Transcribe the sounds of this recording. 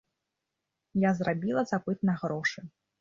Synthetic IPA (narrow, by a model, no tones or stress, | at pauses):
jazrabʲilˠɐzapɨt̪̚nɐɣɾɔʂɨ